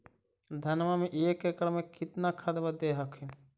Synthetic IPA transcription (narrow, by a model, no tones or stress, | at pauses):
d̪ʱɐnʋamẽʔeːkekəɽmẽkɪt̪nakʰɐd̪ʋad̪eːɦɐkʰi